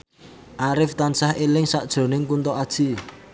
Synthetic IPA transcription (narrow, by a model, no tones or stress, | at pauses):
ʔaɾɪft̪ansahelɪŋsaʔd̥ʒ̥o̤nɪŋkunt̪ɔʔad̥ʒ̥i